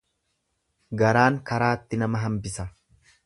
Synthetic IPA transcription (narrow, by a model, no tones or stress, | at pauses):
ɡɐɾaːŋkɐɾaːt̪ːɪnɐmɐɦɐmbɪsɐ